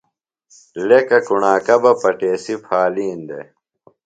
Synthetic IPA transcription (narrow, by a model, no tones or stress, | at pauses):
lekɐkuɳaːkɐbɐpɐʈeːsipʰaːliːnd̪ḛ